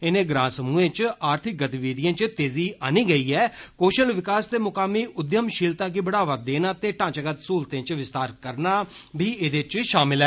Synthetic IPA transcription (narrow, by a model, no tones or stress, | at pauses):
ɪnẽːɡɾãːnsəmuːẽːt͡ʃaːɾt̪ʰɪk̚ɡət̪iʋiːd̪ɪjãːt͡ʃt̪eːziːaːniːɡəiːɛːkoːʃəlʋɪkaːst̪eːmʊkaːmiːʔʊd̪jəmʃɪːlt̪aːɡiːbəɽaːʋət̪̚d̪eːnãːt̪eːʈãːt͡ʃəɡət̪suːlt̪ẽːt͡ʃʋɪst̪aːɾkəɾnaːbʱiːed̪et͡ʃʃaːmɪlɦɛː